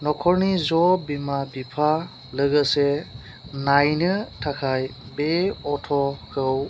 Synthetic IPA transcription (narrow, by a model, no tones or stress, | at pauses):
nɔkʰɔɾnizɔbimabipʰa | lɯɡəse | najnɯtʰakʰajbeɔtʰɔkʰɯw